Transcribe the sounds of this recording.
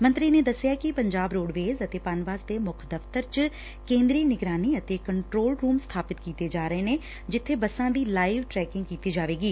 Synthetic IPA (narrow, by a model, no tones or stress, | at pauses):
mə̃nt̪ɾineːd̪əsɪjaːkipəɲd͡ʒaːbɾoːɽʋeːzət̪eːpaːnʋaːsd̪eːmʊkʰd̪əft̪əɾt͡ʃ | kẽːnd̪ɾiːnɪɡɾaːniːət̪eːkəɳʈɾoːlɾuːmst̪ʰaːpɪt̪kiːt̪eːd͡ʒaːɾəeːneː | d͡ʒɪt̪ʰːeːbəsãːd̪iːlaːɪʋʈɾɛːkɪ̃ŋɡkiːt̪iːd͡ʒaːʋeːɡiː